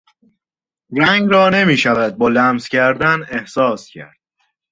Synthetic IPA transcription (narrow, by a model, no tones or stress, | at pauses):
ɾæŋɡɾɒːne̞miːʃævæd̪̚bɒːlæmz̥cʰæɾd̪æne̞hsɒːscʰæ̰ɾd̪̥